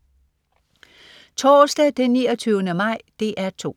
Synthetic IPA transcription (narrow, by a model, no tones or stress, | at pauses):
t͡sʰɒːsd̥ɛd̥enːiːɒt͡sʰyːʊənəmɑ̈ɪ̰d̥e̝ʔæɐt͡sʰo̝̰ː